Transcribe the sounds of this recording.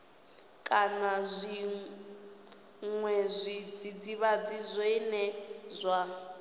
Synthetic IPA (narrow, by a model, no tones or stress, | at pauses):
kʼanazʷi | ŋwɛzʷid͡zid͡ziβad͡zizʷenɛzʷa